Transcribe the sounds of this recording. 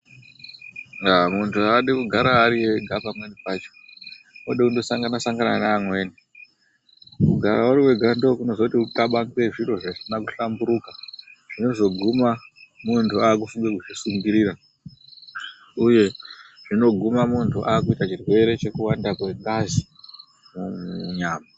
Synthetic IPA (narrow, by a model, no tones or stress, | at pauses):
amuntʰuaɗikuɡʱaɾaːɾiweɡʱapamwe̞nipat͡ʃo̞̥ | moɗeundo̞saŋɡanasaŋɡana̰naːmwe̞ːni | kuɡʱaɾauɾiwe̞ɡʱando̞kuno̞zotiutaɓaŋɡe̞ʐiro̞ʐaʐinaku̥ɬambuɾukaʐ̥ino̞zo̞ɡʱumamuntʰuaːk̬ufuŋɡekuʐisuŋɡiɾiɾa | uje̞ | ʐ̥ino̞ɡʱumamuntʰuʔaːkuitat͡ʃirwe̞ɾe̞t͡ʃe̞kuwandakwe̞ŋɡazi | mumɲaːma